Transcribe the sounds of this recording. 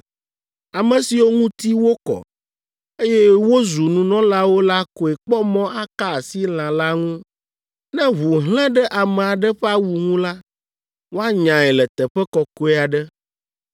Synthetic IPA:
a˨mɛ̃˨si˨wo˦ŋũ˦t̪i˦wo˦kɔ̰˨ | e˦jɛ˦wo˦zu˨nũ˨nɔ̃˦la˦wo˦la˦ko˨ɛ˨k͡pɔ˦mɔ̃˦a˦ka˦˨si˦l̃ã˨la˦ŋũ˦ | nɛ̃˦βu˨ɦlɛ̃˦ɖɛ˦ʔa˨mɛ̃˨a˨ɖɛ˦ɸɛ˦a˦wu˨ŋũ˦la˦ | wo˦a˦ɲã˨ɛ˨lɛ˨t̪ɛ˨ɸɛ˦kɔ˨ko˦ɛ˦˨a˨ɖɛ˦

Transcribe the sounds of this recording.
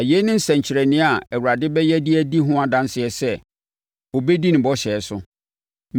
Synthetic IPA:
æ˨je˦nɪ̃˦n̩˦sɛ̃˨ɲ˨t͡ɕʰɪ˨ɾɛ˨nɪ̃˦a˨æ˨wu˨ɾa˨dɪ˦bɛ˦jɛ˦dɪ˦æ˦di˦ɦʊ̃˦a˨dã˦n˦sɪ˨ɛ˨sɛ˦˨ | o˨be˦di˦nɪ̃˨bɔ˦ɕɛ˨sʊ˦ | m

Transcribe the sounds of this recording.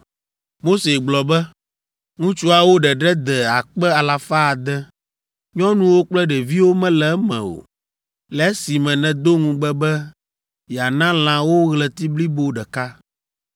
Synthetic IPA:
mo˦se˨ɡ͡blɔ˨bɛ˦ | ŋũ˦t͡ʃu˦a˨wo˦ɖɛ˨ɖɛ˦d̪ɛ˨a˨k͡pɛ˦a˨la˨fa˦a˨d̪ɛ˦ | ɲɔ̃˦nũ˦wo˦k͡plɛ˦ɖɛ˨vi˦wo˦mɛ̃˦lɛ˨ɛ˦mɛ̰̃˨wo̰˨ | lɛ˦si˨mɛ̃˨nɛ̃˨d̪o˦ŋũ˦ɡ͡bɛ˦bɛ˦ | jɛ˨a˨nã˦l̃ã˨wo˦ɣlɛ˨t̪i˦bli˦bo˦ɖɛ˨ka˦

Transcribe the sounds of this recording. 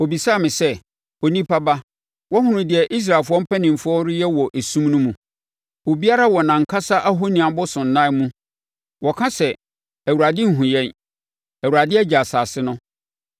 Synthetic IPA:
o˨bi˨sa˦˨mɪ̃˨sɛ˦˨ | o˨nĩ˦pʰa˦ba˦ | wɔ˦ɦʊ̃˦ɾʊ̃˨dɪ˨ɛ˨ʔi˦s̬ɾa˨lfʊ˨˦ɔ̃˦m̩˦pʰɛ˦nɪ̃˨m̩˨fʊ˦ɔ˦ɾɪ˦jɛ˦wɔ˨ʔe˨sũ˦m˦nũ˦mũ˨ | wo˨bi˦a˦ɾa˦wɔ˨nã˨ŋ̩˨kʰa˦sa˦ʔa˦ɦo˦nĩ˨ã˨bʊ˦sʊ̃˨n̩˨nã˦mũ˦ | wʔɔ˨kʰã˦sɛ˨ | æ˨wu˨ɾa˨dɪ˦ŋ̩˦ɦũ˨jɛ̃˦n | æ˨wu˨ɾa˨dɪ˦ɛ˦d͡ʑa˨saː˨sɪ˦nʊ̃˦

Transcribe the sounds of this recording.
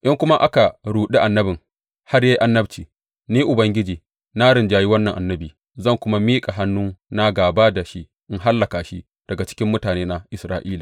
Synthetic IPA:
ʔɪ˦ŋkʷʊ˦ma˦ʔa˦ka˨ɽuː˨ɗi˦ʔa˨nːɐ˦bɪ˨ŋ | ha˦rja˦jʔa˦nːɐ˦bt͡ʃiː˨ | niː˦ʔʊ˨bɐ˦ŋɡʲɪ˦d͡ʒiː˨ | na˦ɽɪ˨nd͡ʒaː˨ji˦wɐ˦nːɐ˨ŋʔa˨nːɐ˦biː˨ | zɐ˦˨ŋkʷʊ˦ma˦miː˦kʼa˨ɦa˦nːu˦na˦ɡaː˨baː˦da˨ʃi˦ | ʔɪ˦ŋɦa˦lːɐ˨ka˨ʃi˦ | d̥ɐ˨ɡa˨t͡ʃɪ̥˦kʲɪ˦mːʊ˦taː˨neː˦na˨ʔɪ˨sɾaː˦ʔiː˦laː˨

